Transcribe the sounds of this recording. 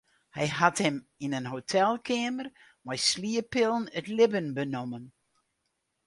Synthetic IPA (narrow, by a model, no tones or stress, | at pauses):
hɛjhathɛminənɦowtʰɛlˠkʰɪmər | mɛjsliəpɪlˠnətlɪbənbənomən